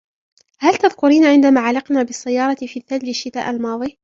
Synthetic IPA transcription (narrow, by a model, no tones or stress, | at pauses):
halt̪aðkʊɾiːnaʕɪnd̪amaːʕalɪqnaːbɪsːajːɑːɾˤɑfiːθallɪʃːɪt̪a̰ːʔalmɑːðˤi